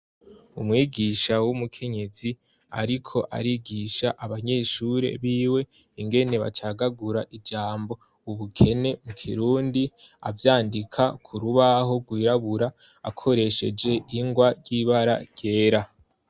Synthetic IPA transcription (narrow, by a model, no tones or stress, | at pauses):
umŋiːɡiʃawumukʰe̞ɲe̞zi | a̰ɾikʰo̞ʔa̰ɾiɡiʃaʔaβaɲe̞ːʃuɾe̞̰βiːwe̞ | iŋɡe̞ne̞βa̰t͡ʃaɡaɡuɾaʔid͡ʒaːmbo̞ | uβukʰe̞ne̞mukʰḭɾuːndi | a̰vjaːndikʰakʰuɾuβaɦo̞ɡwiːɾaβuɾa̰ː | kʰo̞ɾe̞ʃe̞d͡ʒe̞ʔiŋɡwaɟɟiβaɾa̰ɟ̥ɟ̥e̞ːɾa